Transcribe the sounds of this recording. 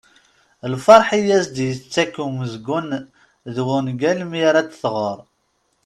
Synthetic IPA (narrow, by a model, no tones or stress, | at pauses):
lfɑɾˤħijæsd̪jət͡sːækːuməzɡun | ðwʊnɡælmiɾæt̪θʁəɾˤ